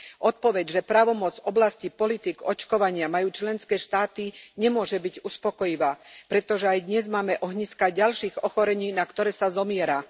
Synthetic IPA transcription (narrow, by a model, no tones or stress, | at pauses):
ʔɔt̪̚pɔʋɛɟʒɛpɾaːʋɔmɔd͡zɔblascipɔlit̪iɡɔt͡ʃkɔʋaɲɪamajuːt͡ʃlɛnskɛːʃt̪aːt̪iɲɛmʊɔʒɛbiɟuspɔkɔjiʋaːpɾɛt̪ɔʒɛajd̪ɲɛzmaːmɛʔɔɦɲiskaɟalʃiːɣɔxɔɾɛɲiːnakt̪ɔɾɛːsazɔmɪɛɾa